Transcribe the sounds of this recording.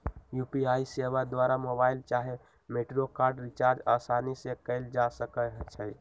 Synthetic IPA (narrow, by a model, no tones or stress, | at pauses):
jupiaisebad̪waɾamobaɪlt͡ʃaɦe | meʈɾokaɾɖɾit͡ʃaɾd͡ʒasanisekəɪld͡ʒasəkəɦt͡ʃʰə